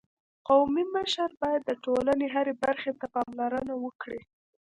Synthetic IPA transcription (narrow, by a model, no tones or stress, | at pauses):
qawmiməʃaɾbɑjad̪ːəʈolaneɦaɾebaɾxet̪apɑmlaɾənawəkɽi